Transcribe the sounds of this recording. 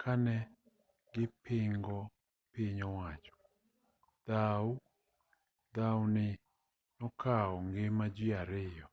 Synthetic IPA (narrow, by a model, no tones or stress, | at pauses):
kʰanɛ | ɡɪpɪŋɡɔ | piɲɔwat͡ʃɔ̥ | d̪̥aw | d̪awnɪ | nɔkʰaɔŋɡemad͡ʒiaɾɪjɔ